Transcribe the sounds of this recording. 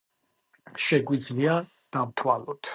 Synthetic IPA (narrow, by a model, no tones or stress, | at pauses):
ʃɛɡwid̪zlia | d̪̥amt̪ʰwalɔt̪ʰ